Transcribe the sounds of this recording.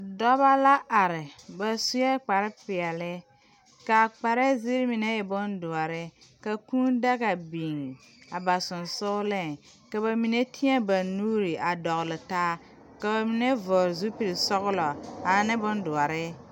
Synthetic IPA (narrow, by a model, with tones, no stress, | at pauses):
dɔ˦ba˦la˦ʔa˨ɾɪ˨ba˨su˦jɛ˦k͡pa˨ɾɪ˦pɪ˨ɛ˨lɪ˦ | ka˨k͡pa˨ɾɛ˦zɪ˦ɾmi˨ne˦jɛ˨bʊ˦ndʊ˨a˨ɾɪ˦ka˨kuː˦n˦da˦ɣa˨bi˨ŋ˨ | a˨ba˨sʊ˨nsʊ˦lɛ˦˨ | ka˨βa˨mi˨ne˦ti˦ɛ˦ba˨nuː˦ɾi˨ʔa˨dɔ˨ɣlɪ˨taː˦ | ka˨ba˨mi˦ne˦vɔː˨ɾzu˦pi˨ɾɪ˨sɔ˦ɣʊ˦lɔ˨a˨˦nɪ˦bʊ˦ndʊ˨a˨ɾɪ˦